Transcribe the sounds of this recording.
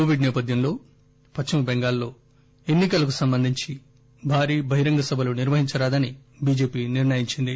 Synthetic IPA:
koːʋiɖnɛːpɐd̪ʱjɐmlo̞ː | pɐt͡ʃːɐmɐbeŋɡaːlːo̞ː | e̞nːikɐlɐkusɐmbɐnd̪ʱiɲt͡ʃi | bʱaːɾiːbʱɐɦiɾɐŋɡɐsɐbʱɐloniɾʋɐɦiɲt͡ʃɐɾaːd̪ɐnibiːd͡ʒe̞ːpiːniɾnɐjiɲt͡ʃind̪i

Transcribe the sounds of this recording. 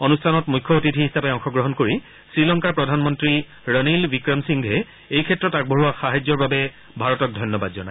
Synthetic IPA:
onustʰanɔtmujkʰːɔotitʰiɦisapɛɔŋxɔɡɹɔɦɔnkoɹi | sɹilɔŋkaɹpɹɔdʱanmɔntɹi | ɹɔnilbikɹɔmsiŋɡɦɛ | ejkʰɛtːɹɔtak̚bʱoɦuwaxaɦajd͡ʑːɔɹbabɛ | bʱaɹɔtɔk̚dʱɔjnːɔbadzɔnaj

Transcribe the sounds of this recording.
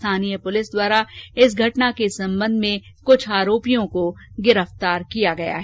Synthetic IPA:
t̪ʰaːnijəpʊlɪsd̪waːɾaɪs̬ɡʱɐʈnakesɐ̃mbə̃nd̪ʱmẽkʊt͡ʃʰaːɾoːpijõkoɡɪɾəft̪aːɾkijaɡɐja̰ɦɛː

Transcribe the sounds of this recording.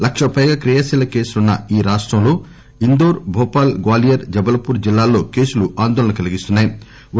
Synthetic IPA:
lɐkʂɐpɐjɡaːkɾijɐsilɐke̞ːsulunːɐiːɾaːʂʈɾɐmlo̞ː | ind̪oːɾbʱɔːpaːlɡwaːlijɐɾd͡ʒɐbɐlɐpuːɾd͡ʒilːaːlːo̞ːke̞ːsuluaːnd̪ɔːlɐɳɐkɐliɡist̪unːaːji

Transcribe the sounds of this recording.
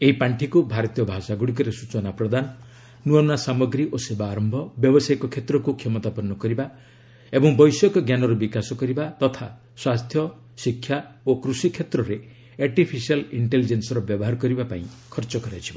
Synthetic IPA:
eɦipaɳʈʰikubʱaɾɔt̪ijɔbʱasaɡuɽik̬ɔɾesut͡ʃɔnapɾɔd̪anɔ | nuɔnnasamɔɡɾiʔosebaːɾɔmbʱɔbjɔbɔsajkɔkʰet̪ɾɔkukʰemɔt̪apɔnːɔkɔɾiba | ebɔŋbɔjsɔkɔɡjanɔɾɔbikasɔkɔɾibat̪ɔt̪ʰa | swast̪ʰjɔ | sikʰːjaokɾusikʰːet̪ɾɔɾe | aɾʈipʰisialiɳʈelid͡ʒensɔɾɔbjɔbɔɦaɾɔkɔɾibapaĩ | kʰɔɾt͡ʃɔkɔɾat͡ʃʰiba

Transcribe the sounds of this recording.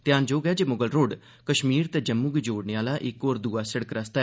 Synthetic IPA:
t̪jaːnd͡ʒoːɡɛːd͡ʒeːmʊɡəlɾoːɖ | kəʃmiːɾt̪eːd͡ʒəmːuːɡiːd͡ʒoːɽneaːlaːʔɪkːoːɾd̪uːaːsəɽəkɾəst̪a

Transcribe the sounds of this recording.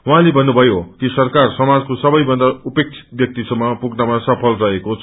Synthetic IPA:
wɦãlebʱʌnːubʱʌjokisʌrkarsʌmad͡zkosʌbʌjbʌnd̪aupek̚t͡sʰi̥t̪̚bjʌk̚t̪isʌmːʌpuɡnʌmasʌpʰʌlrʌɦekot͡sʰ

